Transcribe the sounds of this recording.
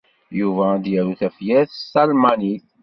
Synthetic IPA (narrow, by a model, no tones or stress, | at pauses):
juvæd̪jæɾuθæfjæθsalmaniθ